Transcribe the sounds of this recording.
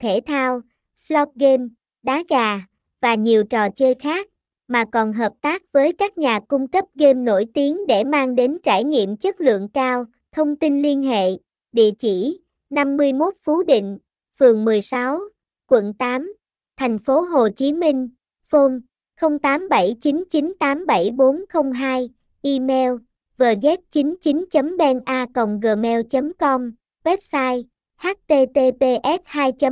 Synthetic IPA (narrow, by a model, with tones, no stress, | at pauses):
t̪ʰe˧˩t̪ʰaː˧w | slɔ˦˥p̚ɣe˧m | ɗaː˨˦ɣaː˨˩ | vaː˨˩ɲi˨˩əwt͡ɕɔ˨˩t͡ɕəː˧jxaː˦˥k̚ | maː˨˩kɔ˨˩nɦəː˨˩p̚t̪aː˦˥k̚vəː˨˦jkaː˦˥k̚ɲaː˨˩kʊ˧ŋ͡mkə˦˥p̚ɣe˧mno˧˩jt̪i˨˦əŋɗe˧˩maː˧ŋɗe˨˦nt͡ɕaː˧˩jɲḭ˧˨əmt͡ɕə˦˥t̚lɨ̰˧˨əŋkaː˧w | t̪ʰə˧wŋ͡mt̪i˧nli˧ənɦḛ˧˨ | ɗḭ˧˨ət͡ɕi˧˩ | na˧mːɨ˧əjmo˦˥t̚fu˨˦ɗḭ̈˧˨ŋ̟ | fɨ˨˩əŋmɨ˨˩əjsa˨˦w | kwə̰˧˨nt̪aː˨˦m | t̪ʰa˨˩jŋ̟fo˨˦ɦo˨˩t͡ɕi˨˦mi˧ŋ̟ | fo˧m | xə˧wŋ͡mt̪aː˨˦mɓə˧˩jt͡ɕi˨˦nt͡ɕi˨˦nt̪aː˨˦mɓə˧˩jɓo˨˦nxə˧wŋ͡mɦaː˧j | ʔi˧mɛ˧w | vəː˨˩zɛ˦˥t̚t͡ɕi˨˦nt͡ɕi˨˦nt͡ɕə˨˦mɓɛ˧nʔaː˧kə̰˧˨wŋ͡mɣəː˨˩mɛ˧wt͡ɕə˨˦mkɔ˧m | vɛ˦˥p̚saː˧j | ha˦˥t̚t̪e˧t̪e˧t̪e˧ʔɛ˦˥t̚haː˧jt͡ɕə˨˦m